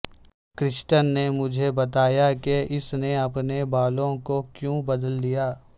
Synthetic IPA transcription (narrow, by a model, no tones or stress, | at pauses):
kɾɪʃʈənːemʊd͡ʒʱebɐt̪aːjakeɪsneɐpnebaːlõkokjõːbɐd̪əlːijaː